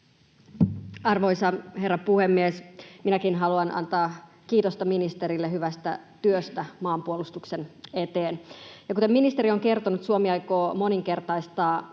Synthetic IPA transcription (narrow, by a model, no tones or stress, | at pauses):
ɑrʋo̞jsɑherːɑpuhemːiesminækinɦɑluɑnɑ̰nt̪ɑː | kiːt̪ost̪ɑminist̪eɾilːeɦyʋæst̪æ̰t̪yøst̪æmɑːmpuolust̪uksenet̪eːnjɑkut̪emːminist̪eɾioŋke̞rt̪onut̪suomiɑjkoːmo̞niŋke̞rt̪ɑjst̪ɑː